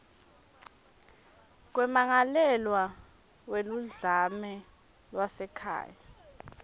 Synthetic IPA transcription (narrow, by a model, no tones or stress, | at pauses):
k̬wɛmaŋalɛlwa | weluɮamɛ | lwasɛkʰa̰ːja